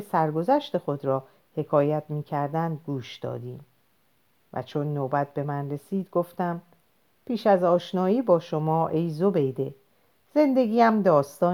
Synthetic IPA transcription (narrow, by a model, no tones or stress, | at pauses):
sæɾɡo̞zæʃt̪e̞xo̞d̪ɾɒː | he̞kʰɒːjæt̪ʰmiːcʰæɾd̪ænd̪̚ɡuːʃd̪̥ɒ̰ːd̪iːm | væ̰t͡ʃʰo̞nːoːbæt̪̚be̞mænre̞siːd̪ɡoft̪æm | pʰiːʃæzɒːʃnɒːiːbɒːʃo̞mɒːʔejzobe̞jd̪e̞ | z̥e̞nd̪e̞ɡʲiːæmd̪ɒːst̪ɒː